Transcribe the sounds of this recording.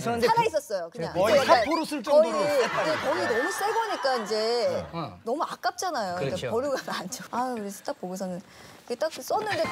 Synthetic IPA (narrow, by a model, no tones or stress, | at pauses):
anais͈ʌs͈ʌjokɯɲaŋapoɾosʰɯɭt͡ɕ͈ʌkʌɡiekʌɡinʌmus͈ʰeɡʌɲik͈aind͡ʑe̞ | nʌmuak͈ap̚t͡ɕ͈anajokɯɡepʌɾjuɡanand͡ʑʰoakɯɾesʰʌt͈ak̚poɡes̬ʰʌnɯniket͈ak̚s͈ʌnːɯnde